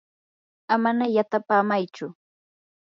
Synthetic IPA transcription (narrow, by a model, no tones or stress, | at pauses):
amanajat̪apaːmajt͡ʃʊ